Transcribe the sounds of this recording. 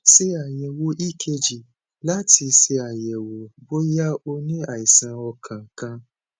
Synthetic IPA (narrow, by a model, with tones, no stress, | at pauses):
se˧a˨jɛ˨wo˧ʔi˦˨kʰe˧d͡ʒi˨ | la˦ti˧se˧a˨jɛ˨wo˨bo˦ja˦o˧nĩ˦a˦˨i˨sã˧ɔ˧kʰã˨kã˧˦